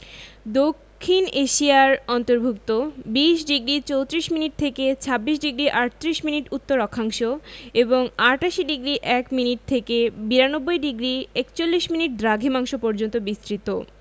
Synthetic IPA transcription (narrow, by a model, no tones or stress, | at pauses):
d̪okʰːineʃiaɾɔnt̪oɾbʱuk̚t̪obiʃɖiɡɾit͡ɕowt̪ɾiʃminiʈ̚t̪ʰeket͡ɕʰabːiʃɖiɡɾiʔaʈt̪ɾiʃminiʈut̪ːoɾɔkʰaŋʃoeboŋaɾʈaʃiɖiɡɾiʔɛkminiʈ̚t̪ʰekebiɾanobːojɖiɡɾiekt͡ɕolːiʃminiʈ̚d̪ɾaɡʱimaŋʃopɔɾd͡ʑont̪obist̪ɾit̪o